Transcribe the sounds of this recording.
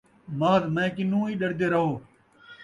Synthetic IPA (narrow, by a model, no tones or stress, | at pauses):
maːd̪mɛ̃ːkɪnũːiːɗəɽd̪eːɾəɦoː